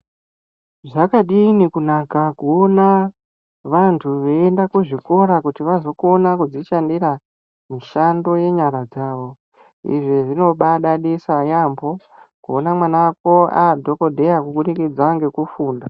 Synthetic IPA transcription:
ʐakaɗinikunakakuona | ʋantʰuʋeːndakuʐiko̞ɾakutiʋazo̞konakud͡ziʃandiɾa | miʃando̞je̞ɲaɾad͡zaːʋo̞ | ḭʐiʐino̞ɓaɗaɗisajambo̞ | kuonamwanak̚o̞adʱo̞ko̞dʱe̞jakuɓuɗikid͡zwaŋɡe̞kufuːnda

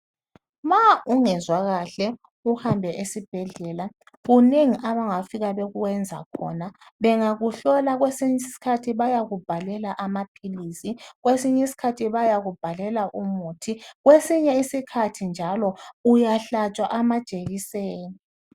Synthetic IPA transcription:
mauŋɛzwaɣaɬɛ | uhambʱɛʔesib̥ʱɛɮɛːla | ɣuneŋiʔaβaŋafiɣaβeɣuwɛnd͡zʱa̰kʰɔ̰naβɛŋaɣuɬɔlaɣwesiɲisi̥kʰatʰiβajaɣub̥ʱalɛlaʔamapʰilisiɣwesiɲisi̥kʰatʰiβajaɣub̥ʱalɛlaʔumutʰiɣwesiɲɛisikʰatʰind͡ʒʱalɔujaɬat͡ʃʼwaʔamḁt͡ʃʼeɣisɛːni

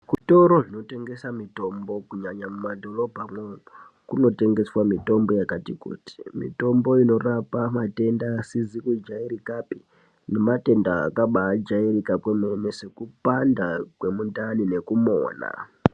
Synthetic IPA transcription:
kuto̞ɾo̞ʐino̞te̞ŋɡe̞samito̞mbo̞kuɲaɲamumadʱo̞ro̞bʱamwe | kuno̞te̞ŋɡe̞swamito̞mbo̞jakatikṵti̥mḭto̞mbo̞ino̞rapamate̞ndasizikud͡ʒaiɾikapi̥ | ne̞mate̞nda̰ːkaɓaːd͡ʒaiɾikakwememese̞kupandakwe̞mundanine̞kumo̰ːna̰

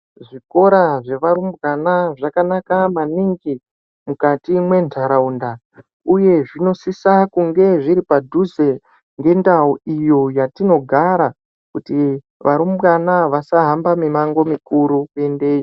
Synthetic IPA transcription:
ʐiko̞ɾaʐe̞ʋaɾumbɡanaʐakanakamaniŋɡi | mukatimwe̞ntaɾaunda | uje̞ʐino̞sisakuŋɡe̞ʐiɾipadʱuze | ŋɡe̞ndauijo̞jatino̞ɡʱaɾa | kuti | ʋʔaɾumbɣanaʋasaɦambamimaŋɡo̞mikuɾuke̞nde̞ːjo

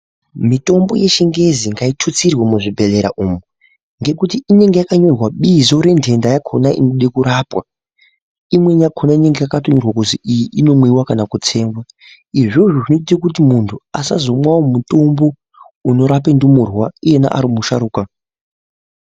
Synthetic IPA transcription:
mito̞mbo̞̰je̞ʃiŋɡe̞ziŋɡaitʰut͡sirwemuʐibʱe̞le̞ɾa̰ʔumu | ŋɡe̞kutiine̞ŋɡe̞jakaɲorwaɓizo̞ɾe̞ndʰʱe̞ndajakʰo̞naʔḭnoɗekuɾapwa | imwe̞ɲakʰonaine̞ŋɡejakatoɲurwakuziijiʔino̞mwiwakanakut͡se̞ːmbwa | iʐoʐoʐinotitik̬ut̬imuntʰuasazo̞mwawomuto̞mbo̞ | uno̞ɾapendumurwauje̞na̰ʔa̰ɾimuʃaɾuːka

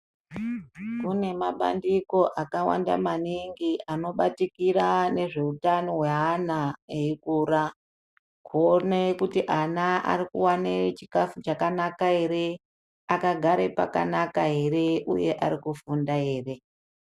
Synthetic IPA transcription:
kune̞maɓa̰ndiko̞ʔakawa̰nda̰maniŋɡiʔano̞ɓatikiɾane̞ʐe̞utano̞weɦanaeikuːra | kʰuonekutiʔanaʔa̰ɾikṵwanet͡ʃikafut͡ʃakanakaɦe̞ɾe̞ | akaɡʱaɾe̞pa̰ka̰nakaɦe̞ɾe̞ʔuje̞ʔaɾikufundaɦe̞ːre̞

